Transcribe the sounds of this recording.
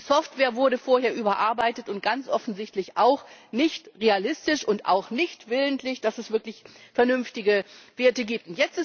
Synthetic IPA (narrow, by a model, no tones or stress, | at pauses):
isɔftv̥ɛːɐvʊɐɾəfoːɐɦeːɐʔyːbɐʔaɐbaɪtətʊnt̚ɡ̥ant͡sʔɔfn̩zɪçtlɪçʔaʊxnɪçtʁealɪstɪʃʊntʔa̰ʊxnɪçtv̥ɪləntʰlɪçd̥asɛsv̥ɪɐklɪçfɛɐnʏnftɪɡəveːɐtəɡiːp̚tʊntjɛt͡stɪs